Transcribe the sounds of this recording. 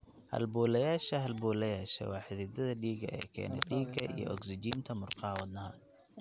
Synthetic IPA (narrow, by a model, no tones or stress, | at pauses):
hɐ̰lbuːlɐjaːʃɐɦɐlbuːlɐjaːʃɛ̰wɑːħɪðɪd̪ɐðɐɖiːɡɐ̰ɛ̰ːkʰɛ̰ːnɛ̰ɖiːɡɐʔijɔ̰ʔɔɡsɪd͡ʒiːnt̪ʰɐmʊrqɑwɐd̪nɐɦɐ